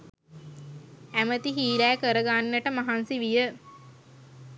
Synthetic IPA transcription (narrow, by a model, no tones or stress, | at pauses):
æmət̪iɦiːlæːkəɾəɡaːnːəʈəmaɦansiʋijə